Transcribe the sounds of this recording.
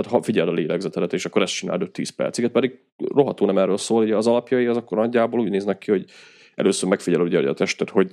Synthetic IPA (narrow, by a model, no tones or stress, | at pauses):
aːt̪hɒfiɟɛlɒleːlɛɡzɛt̪ɛd̪ɛt̪eːʃɒkːoɾɛst͡ʃina̰ːld̪ot̪ːḭːspɛ̰rt̪sikɛt̪̚pɛd̪iɡ | ro̞ɦɒt̪oːnɛmɛrøːlsoːluɟɛːzɒlɒpjɒjiɒzɒkːoɾnɒɟːaːboːluːɟneːznɛkːiho̞ɟ | ɛ̰løːsøːɾmɛkfiɟɛlluɟɛ̰jɛ̰t̪ɛʃt̪ɛt̪ho̞ɟ